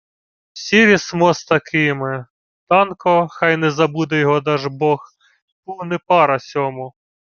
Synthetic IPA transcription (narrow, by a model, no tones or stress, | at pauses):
sʲiɾʲismɔst̪ɐkʰɪmɪ | t̪ɑnkɔxɑjnɛzɐbud̪ɛjɔɦɔd̪ɑʒbɔx | punɛpɑɾɐsʲɔmʊ